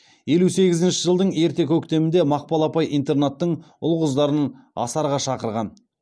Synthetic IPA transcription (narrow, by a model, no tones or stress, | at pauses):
je̞luse̞ɡʲɪzɪnʃɪʒəlˠd̪əɴe̞ɾt̪e̞kʲʰɵkt̪e̞mɪnd̪emɑq̚pɑlˠɑpɑjijnt̪e̞rnet̪ːəɴ | ʊlˠʁəzd̪ɑɾən | ɑ̰sɑɾʁɑʃɑqəɾʁɑn